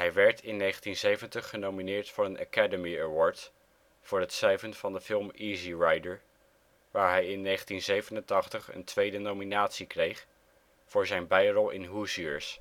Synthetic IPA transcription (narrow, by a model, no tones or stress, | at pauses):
ɦɛjʋɛɹtʰɪnːejχəntinzejvəntəχːənowminɪːɹtfʊːɹənʔa̰kɛdəmiəwɔːɹt | fʊːɹɦətsrɛjvənv̥ɑndəfɪlˠmiːziɹɑjdəɹ | ʋaːɹɦɛjɪnːejχəntinzejvənəntɑχtəχə̰ntʋejdənowminaːtsikrejχ | vʊːɹzɛjnbɛjrɔlˠʔɪ̰nɦusiə̰ɹs